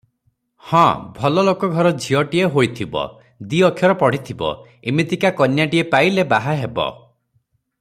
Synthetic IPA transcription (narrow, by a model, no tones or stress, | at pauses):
hɔ̰̃bʱɔlɔlokɔɡʱɔɾɔd͡ʒʱiɔʈieɦojt̪ʰibɔ̰ | d̪iɔkʰːjɔɾɔpɔɽ̤it̪ʰibɔ̰ | imit̪ikakɔnjaʈiepailebaɦaɦebɔ̰